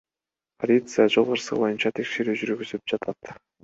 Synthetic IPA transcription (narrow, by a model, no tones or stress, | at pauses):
pʰolʲit̪sɨjad͡ʒolˠʁɤɾsə̰qbo̞junt͡ɕɑt̪ʰekʃe̞ɾyʒyɾykøzyp̚d͡ʒɑt̪ʰat̪